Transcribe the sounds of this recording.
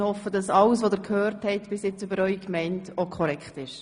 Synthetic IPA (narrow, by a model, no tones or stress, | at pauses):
hɔfːəd̥ɑsɑləsʋodɪɾkʰhøːɾthɛɪtb̥ɪsjɪt͡sybəɾœʏkmɛɪntokʰɔɾɛkχtɪʃ